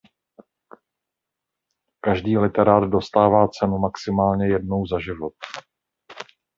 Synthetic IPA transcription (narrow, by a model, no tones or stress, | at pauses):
kaʒdiːlɪt̪ɛɾaːd̪do̞st̪aːvaːt͡sɛnumaksɪmaːlɲɛjɛdno̞wzaʒɪvo̞t̪̚